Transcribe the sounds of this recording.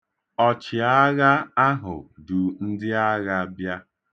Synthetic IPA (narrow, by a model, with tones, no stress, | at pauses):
ɔ˨t͡ʃɪ˨a˦ɣa˦a˦ɦʊ̰˨du˨n̩˦dɪ˦a˦ɣa˦bja˦